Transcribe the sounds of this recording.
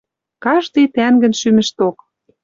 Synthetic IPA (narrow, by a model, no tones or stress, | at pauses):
kɑʃt̪ɤjt̪æŋɡə̆nʃymɘ̆ʃt̪ok